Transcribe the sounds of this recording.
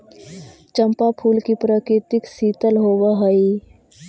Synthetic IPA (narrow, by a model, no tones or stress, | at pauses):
t͡ʃə̃mpapʰuːlkipɾaːkɾɪt̪ɪksiːt̪əlɦoːʋaɦɐi